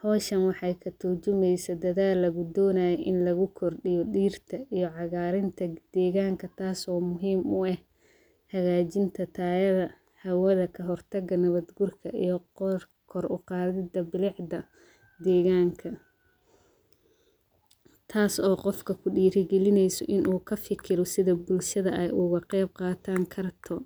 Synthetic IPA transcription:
hɔːʃɐnwɑħɑjkʰɐt̪ʰʊrt͡ʃʊmɛjsɐd̪ɐðaːlːɐɣʊd̪ɔːnaːjɛʔɪnlɐɣʊkʰɔrɖɪjɔɗiːrt̪ʰɐʔijɔʕɑɣaːɾɪnt̪ʰɐd̪̥ɛːɣaːŋkʰɐt̪ʰaːsɔːmʊɦiːmʊɛh | hɐɣaːt͡ʃɪnt̪ʰɐt̪ʰaːjɐðɐ | hɐwɐðɐkʰɐɦɔrt̪ʰɐɡɐnɐβɐd̪ɡʊrkʰɐijɞ | kʰɔrʊqɑːðɪd̪ɐbɪlɪʕd̪ɐ | d̪ɛːɣaːŋkʰɐ | t̪ʰaːsɔːqɔfkʰɐkʰʊɖiːɾɪɡɛlɪnɛjsɔ̰ʔɪnʔuːkʰɐfɪkʰɪɾɔsɪðɐbʊlʃɐðɐʔɛjʔʊɣɐqɛjb̚qɑːt̪ʰaːŋkʰɐrt̪ʰɔ

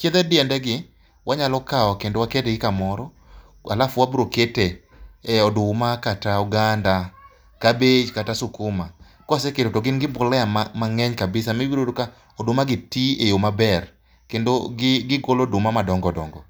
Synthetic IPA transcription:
t͡ʃjeðɛdɪɛndɛɡɪ | wʔaɲalɔkaɔkendowakedeɡɪkamɔɾɔ | a̰lafwabɾokete | ɔdʊmakatauɡanda | kabed͡ʒkatasʊkʊma | kɔsekedotoɡɪnɡɪbʊlɛamamaŋɛɲkabɪsamibiɾodoka | ɔdʊmaɡɪtiejomabɛr | kendoɡɪɡɪɡolodʊmamadɔŋɡɔdɔ̰ŋɡɔ

